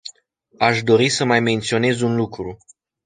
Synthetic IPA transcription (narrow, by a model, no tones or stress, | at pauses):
aʃd̪o̞ɾisəmajme̞nt̪sio̞ne̞zunlukɾu